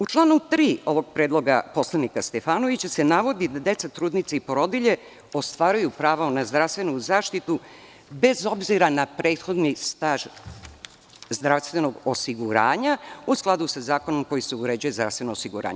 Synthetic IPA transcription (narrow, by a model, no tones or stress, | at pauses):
ut͡ʂlˠaːnut̪ɾiːo̞ʋo̞ɡ̥̚pɾeːd̪lo̞ɡapo̞slˠanikast̪efaːno̞ʋit͡ɕasenaʋo̞d̪id̪ad̪e̞t̪sat̪ɾuːd̪nit̪seipo̞ɾod̪iʎe | o̞st̪ʋaːɾujupɾaːʋonazd̪ɾaʋst̪ʋe̞nuzaːʃt̪it̪u | be̞zo̞bziɾanapɾe̞ːt̪xo̞d̪nist̪aːʒ | zd̪ɾafst̪ʋe̞no̞ɡosiɡuɾaːɲausklˠad̪usazaːko̞no̞mko̞jiseuɾe̞d͡ʑujezd̪ɾa̰fst̪ʋenoːsiɡuɾʔa̰ːɲ